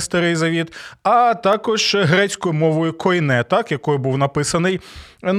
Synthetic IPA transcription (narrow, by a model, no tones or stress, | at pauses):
st̪ɐɾɪjzɐʋʲit̪ɐt̪ɑkɔʒ̥ɦɾɛt͡sʲkɔjʊmɔʋɔjʊkʰɔjnɛt̪ɑkjɐkɔjʊbuwnɐpɪsɐnɪjn